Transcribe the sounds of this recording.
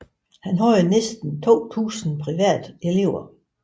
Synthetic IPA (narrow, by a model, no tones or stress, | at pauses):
hænɦɒɪ̰ɐnesd̥n̩t͡sʰo̝̰ːt͡sʰṵːsn̩pʰʁiʋæ̰ːd̥e̝le̝ʊ̰ɐ